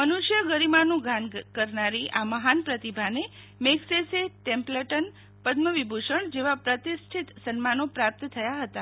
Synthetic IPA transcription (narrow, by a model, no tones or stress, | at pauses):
mənuʃjəɡəɾimanũɡʱankəɾnaɾiʔaməɦanpɾət̪ibʱane | mekseseʈẽmpləʈən | pəd̪məʋibʱuʃəɳd͡ʒeʋapɾət̪isʈʰit̪sənmanopɾap̚t̪t̪ʰəjaɦət̪a